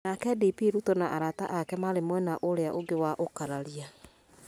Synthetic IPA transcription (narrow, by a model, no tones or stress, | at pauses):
nakɛdipiɾutonaʔaɾata̰ʔakɛmaɾemwɛnaʔoɾeaʔoɡewaʔokaɾaɾia